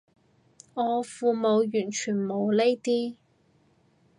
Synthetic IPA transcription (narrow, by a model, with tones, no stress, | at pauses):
ɔː˨˧fuː˧mo˨˧wjyː˨˩nt͡ʃʰyː˨˩nmo˨˧wle˥jt̪iː˥